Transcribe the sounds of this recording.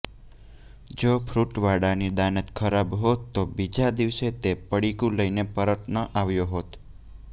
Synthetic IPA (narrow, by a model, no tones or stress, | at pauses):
d͡ʒopʰɾuʈʋaɽanid̪anət̪kʰəɾabɦot̪ːobid͡ʒad̪iʋset̪epəɽikũləinepəɾəʈ̪nəʔaʋjoɦot̪